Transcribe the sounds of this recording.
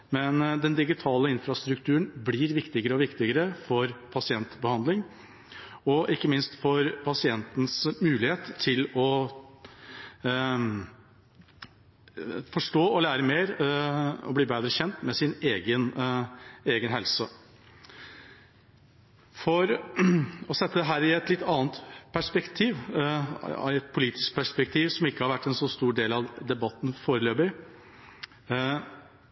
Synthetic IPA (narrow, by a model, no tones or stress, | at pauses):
mɛnd̪ɛnd̪ɪɡɪt̪ʰɑːləɪnfɾɑst̪ɾʉk̚t̪ʰʉːəɳblɪːɾʋɪkt̪ɪɡəɾəɔʋɪkt̪ɪɡəɾəfɔɾpʰɑsɪɛnt̪bəhɑnd̪lɪŋ | ɔʔɪkːəmɪnst̪fɔɾpʰɑsɪɛnt̪n̩smʉːlɪheːt̪ʰːɪlɔ | fɔʂʈoːɔlæːɾəmeːɾ | ɔ̰bliːbeːd̪ɾəçɛnt̪mɛsɪneːɡən | eːɡənɦɛlsə | fɔɾ | ɔsɛt̪ːəd̪ɛɦæːɾɪɛt̪lɪt̪ːɑːnt̪pʰæʂpɛkt̪ʰiːʋ | ɛt̪̚pʰʊliːt̪ɪ̥sk̚pʰæʂpɛk̚t̪ʰiːʋsɔmɪkːəhɑɾʋæʈːɛnsɔst̪uːɖeːlɑʋd̪ɛbɑt̪ːn̩foːɾəløːbə